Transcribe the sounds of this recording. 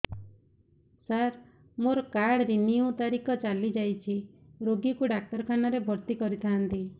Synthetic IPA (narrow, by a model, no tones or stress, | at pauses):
saɾ | moɾɔkaɽɾiniũt̪aɾikɔt͡ʃalid͡ʒajt͡ʃʰi | ɾoɡikuɖak̚ʈɔɾkʰanɔɾebʱɔɾt̪ikɔɾit̪ʰaɦant̪i